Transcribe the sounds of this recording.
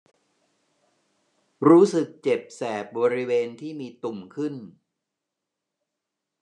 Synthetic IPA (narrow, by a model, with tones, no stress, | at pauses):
ɾuː˦˥sɯ˨˩k̚t͡ɕe˨˩p̚sɛː˨˩p̚bɔː˧ɾi˦˥weː˧nt̪ʰiː˥˩miː˧t̪u˨˩mkʰɯ˥˩n